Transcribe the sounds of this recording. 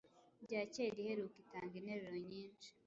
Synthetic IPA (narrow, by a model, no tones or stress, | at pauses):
ɟaːceɡiheɾukitaːŋɡineɾiɾoɲiːnt͡ʃi̥